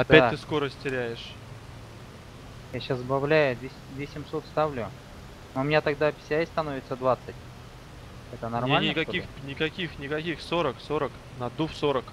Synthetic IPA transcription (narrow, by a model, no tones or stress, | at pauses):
ɐp̪ʲæt̚ʲt̪ɨsko̞ɾəsʲtʲtʲɪɾʲæjɪʂ | jaɕaszbɐvlʲæjʊd̪vʲesʲd̪ʲvʲesʲɪmso̞t̪st̪avlʲʊ | noʊmʲɪnʲat̪ɐɡd̪apʲɪ̥sʲst̪ɐno̞vʲɪt̪səd̪vat̪sɨtʲ | ɛt̪ənɐrmlnʲɪkɐkʲixnʲɪkɐkʲixnʲɪkɐkʲixso̞ɾəksoɾək | nɐd̪ufsoɾək